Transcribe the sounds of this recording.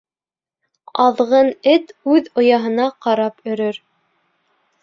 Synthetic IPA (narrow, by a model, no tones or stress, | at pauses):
ɑðʁɤnɘt̪ʉðŏjɑɦɤ̆nɑqɑɾɑpɵ̆ɾɵɾ